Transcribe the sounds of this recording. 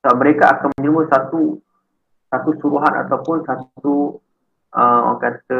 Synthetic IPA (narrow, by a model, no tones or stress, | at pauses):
sməɾekaʔakanmə̃ɲd͡ʒəlməsat̪u | sat̪usuɾuɦana̰t̪awpʊnsat̪t̪u | ʔəwa̰kat̪ə